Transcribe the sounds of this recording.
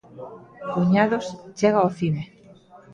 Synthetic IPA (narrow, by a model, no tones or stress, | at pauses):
kuɲaðost͡ʃeɣ̞aoθine